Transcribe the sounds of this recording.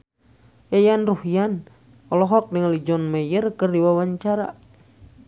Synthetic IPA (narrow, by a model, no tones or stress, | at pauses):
jajanruhijan | ɔlɔɦɔk̚dəŋalid͡ʒɔnmɛjərkərdiwawaɲt͡ʃaɾa̰